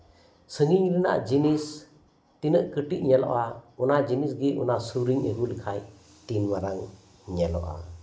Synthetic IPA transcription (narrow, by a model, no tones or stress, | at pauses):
sɯŋiŋɾina̰ʔd͡ʒinis | tinɯʔkɯʈiʔ̚ɲɛlɔ̰ʔaunad͡ʒinisɡiʔṵnasuɾiŋeɡulikʰaj | tinmaɾaŋ | ɲɛlɔ̰ʔa̰